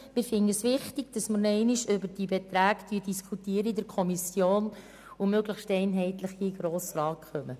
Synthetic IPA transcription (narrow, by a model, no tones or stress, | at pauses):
mɪɾfɪndəəsʋɪχtiɡ̥̚d̥ɑsməɾnɛɪnɪʃʏbəɾd̥ibɛt̪ɾæːɡd̥̪yədiskʰutiːəɾəidɛɾkʰɔmisjoːn | umøɡləχʃtɛɪnɦɛɪt̪ləχiɡ̥ɾoːsɾɑːtχœmə